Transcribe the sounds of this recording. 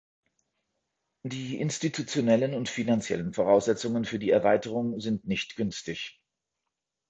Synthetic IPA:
d̥iːʔɪ̰nstitʰut͡sjonɛlənʊntfinant͡sjɛ̰lənfoʁ̞aʊsz̥ɛt͡sʊŋənfyːɐdiːɛɐvaɪtəʁ̞ʊŋzɪntnɪçtɡ̥ʏnstɪç

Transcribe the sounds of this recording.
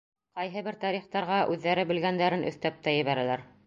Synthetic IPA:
qɑjɦɤβɘɾt̪ɑɾiχt̪ɑɾʁɑʔʉðːæɾɘbɘ̆lɡænd̪æɾɘnʔɵ̰̆θt̪æp̚t̪æjɘ̆βæɾælæɾ

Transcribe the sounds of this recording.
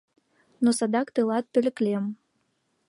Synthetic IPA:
nosad̪ɑkt̪ɨlˠɑt̪̚pʲø̆lʲɘ̆klʲem

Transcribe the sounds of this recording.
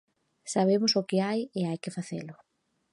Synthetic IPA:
saβ̞emʊsʊkɪajeajkɪfaθḛlʊ

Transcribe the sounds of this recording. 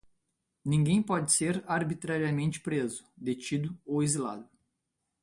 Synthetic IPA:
nĩɡẽj̃pɔd͡ʒɪseɾaɾbit̪ɾaɾiɐmẽnt͡ʃɪ̥pɾezʊd̪et͡ʃid̪ʊowizila̰d̪ʊ

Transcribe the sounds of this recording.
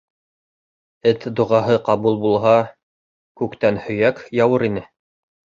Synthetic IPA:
ɘt̪d̪ŏʁɑɦɤqɑβulˠbulˠɦɑ | kʉkt̪ænhɵ̆jækjɑwɤɾinɘ

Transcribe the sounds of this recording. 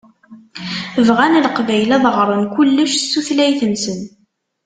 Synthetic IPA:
əvʁænlqvæjlæðˤəʁɾˤənkulːəʃsːuθlæjθənsən

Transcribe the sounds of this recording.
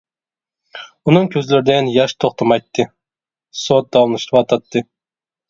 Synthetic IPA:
unɨŋkʲʰøzlɪɾɪd̪ɛnjɑʃt̪ʰoχt̪ʰɑmɑjt̪ʰːɨ | sot̪̚d̪ɑwmnˠɨʃt̪ʰɨpɑt̪ʰɑt̪ʰːɨ

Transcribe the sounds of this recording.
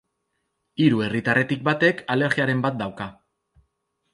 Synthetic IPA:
iɾue̞rit̪arʔe̞t̪ik̚bat̪e̞kale̞ɾɣiaɾe̞mbat̪̚d̪awka

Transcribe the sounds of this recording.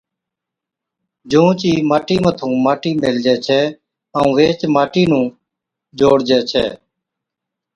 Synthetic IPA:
d͡ʒũːt͡ʃiːmaːʈiːmət̪ʰũːmaːʈiːmeːld͡ʒɛːt͡ʃʰɛː | əũːʋeːt͡ʃmaːʈiːnũː | d͡ʒoːɽd͡ʒɛːt͡ʃʰɛ̰ː

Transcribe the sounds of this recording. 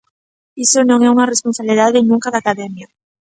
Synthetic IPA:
isonõŋɛuŋaresponsaβliðaðenũŋkaðakaðɛmja

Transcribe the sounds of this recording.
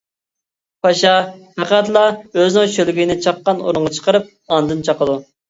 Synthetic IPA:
pʰɑʃɑpʰæqæt̪lˠɑøznɪŋʃølɡʲinɪt͡ʃʰɑqːɑno̰ɾʊɴʁɑt͡ʃʰə̥qəɾɨp̚ | ɑnd̪ɨnt͡ʃʰɑqəd̪u

